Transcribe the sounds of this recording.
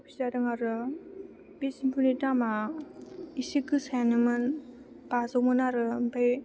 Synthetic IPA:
pʰi̥saɾɯŋaɾɯ | b̥esimpʰunitama | isikɯsajanɯmɯn | b̥azowmɯnaɾɯmpʰaj

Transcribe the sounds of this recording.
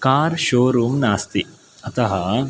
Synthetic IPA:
kaːɾʃoːɾuːmnaːst̪i | ɐt̪ɐɦɐ

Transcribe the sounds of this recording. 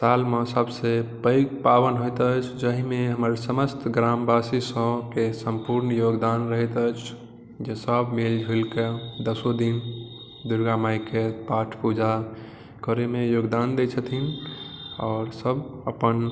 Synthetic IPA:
salmesəbsepəjɡ̚pabənɦot̪ət͡ʃʰd͡ʒəɦimeɦəməɾsəməst̪ɡɾambasisə̃kesəmpuɾnjoɡd̪anɾəɦɛt̪ət͡ʃʰ | d͡ʒesəbmeld͡ʒʱulked̪əsod̪in | d̪uɾɡamajkepaʈʰpud͡ʒa | kəɾemejoɡd̪and̪et͡ʃʰət̪ʰin | ɔːɾsəbəpən

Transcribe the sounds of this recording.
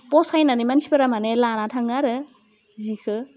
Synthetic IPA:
pɔsajnanimansʰi̥pɯɾamanelanatʰaŋaɾɯ | zikʰɯ

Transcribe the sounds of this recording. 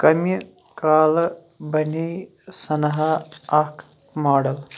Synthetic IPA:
kɐmi | kaːlɐ | bɐnij | sɐnɐɦɐɐkʰ | maːɖɐl

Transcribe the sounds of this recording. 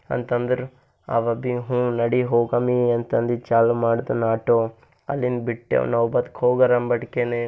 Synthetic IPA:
ɐ̰nt̪ɐnd̪ɐɾu | ɐ̰ʋɐbiɦũːnɐɽiɦoːɡamiɐnt̪ɐnd̪it͡ʃaːlumaːɽd̪ɐnaːʈo | ɐ̰lːinbiʈːḛnɐʋbɐt̪khoːɡɐɾɐmbɐʈkene

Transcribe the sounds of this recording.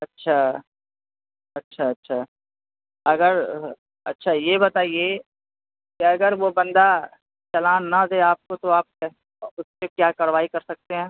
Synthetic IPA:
ɐtːʃʰa | ɐtːʃʰaɐtːʃʰaː | ɐɡəɾ | ɐ̰tːʃʰajebɐt̪aːie | keɐɡəɾʋobɐ̃nd̪a | t͡ʃɐlãːnnad̪eːaːp̚kot̪oaːp̚kɛ | ʊspekjaːkɐɾʋaːikɐɾsɐk̚t̪eɦɛ̃ː

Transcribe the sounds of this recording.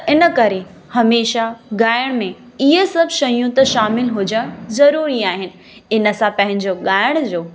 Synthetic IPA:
tɪnə̆kɐɾe | hɐmeːʃaɠaːɪɽ̃mẽ | ɪɦəsɐbʱʃɐjũt̪ɐʃaːmɪlɦʊd͡ʑəɽ̃zɐɾuːɾiaːɦɪnɪ̆ | ɪnə̆sãpɐ̃ɦɪ̃ɲd͡ʑoɠaːɪɽ̃d͡ʑoː

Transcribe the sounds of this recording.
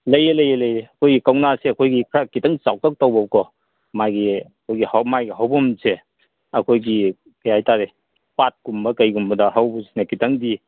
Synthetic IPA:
lɐjelɐjelɐjeɐkʰojɡikɐwnaseɐkʰojɡikʰɾakitɐŋt͡ʃaw̚tɐk̚tɐwbɐb̚kɔ | majɡiɐkʰojɡihamajɡiɦawbumse | ɐkʰojɡi | kɐjajtaɾe | pat̚ɡ̥umbɐkɐjɡumbɐdɐɦawbusinɐkitʰɐŋdi

